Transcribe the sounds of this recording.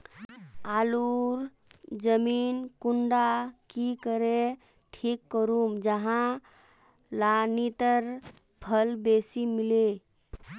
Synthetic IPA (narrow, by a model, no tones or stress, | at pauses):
aluɾ | d͡ʒəminkuɳɖakikəɾe | ʈʰikːəɾumd͡ʒəɦã | lanit̪əɾ | pʰəlbesimile